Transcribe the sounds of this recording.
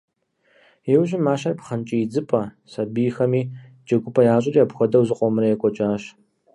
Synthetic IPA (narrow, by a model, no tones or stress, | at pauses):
ewɕɪmaːʃɐrpχɐnt͡ʃʼijd͡zɨpʰʼɐ | sɐbiːjxɐmiː | d͡ʒɐɡʷʼʊpʰɐjaːɕʼɪriɐpxʷɔdɐwzɨqʷʼɔmɨɾɐjɛkʷʼɔt͡ʃʼaːɕ